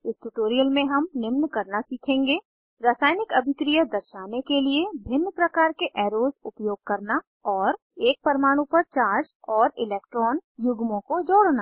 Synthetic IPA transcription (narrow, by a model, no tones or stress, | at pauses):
ɪsʈuʈoːɾijəlmẽɦɐmnɪmnkɐɾnasiːkʰẽːŋɡeː | ɾaːsaːjnɪkɐbʱɪkɾijəd̪ɐɾʃaːnekeliebʱɪnːpɾɐkaːɾkeʔɛːɾoːzʊpjoːɡ̚kɐɾna | ɔːɾ | eːk̚pɐɾmaːɽ̃ũpɐɾt͡ʃaːɾd͡ʒɔːɾɪlɛːkʈɾɔːnjʊɡmõkod͡ʒoːɽnaː